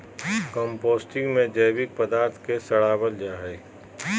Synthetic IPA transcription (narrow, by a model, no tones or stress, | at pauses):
kɔ̃mpoːsʈɪ̃ŋɡmẽd͡ʒəjbɪk̚pəd̪aːɾt̪ʰkesɐɽaːbəld͡ʒaːɦɛː